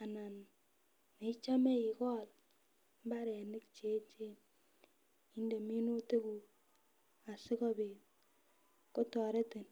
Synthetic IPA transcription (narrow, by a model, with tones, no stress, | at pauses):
a˨na˨n | ne˨˦t͡ʃa˦me˦i˨kɔ˦˨l | m˦ba˦ɾa˨nɪ˦kt͡ʃe˨˦t͡ʃe˦n | i˦nde˨mi˦no˦te˦ku˨ | a˨sɪ˦kɔ˦be˨ | ko˦tɔ˨ɾe˦te˨n